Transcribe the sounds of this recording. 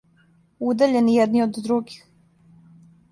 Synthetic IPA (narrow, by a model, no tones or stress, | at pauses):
ud̪aʎenijɛd̪niod̪ːɾuɡix